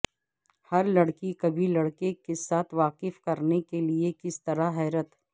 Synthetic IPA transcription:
hɐɾlɐɽkikɐbʱilɐɽkekesaːt̪ʰʋaːqɪfkɐɾnekeliekɪst̪ɐɾaɦɛːɾət̪

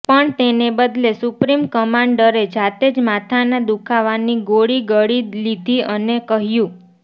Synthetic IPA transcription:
pəɳt̪enebəd̪lesupɾimkəmãɳɖəɾed͡ʒat̪ed͡ʒmat̪ʰaned̪ukʰaʋaniɡoɽiɡəɽilid̪ʱiʔənekəɦjũ

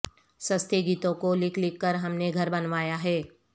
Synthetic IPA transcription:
sɐst̪ʰeɡiːt̪õkolɪkʰlɪkːəɾɦɐmneɡʱɐɾbɐnʋaːjaɦɛː

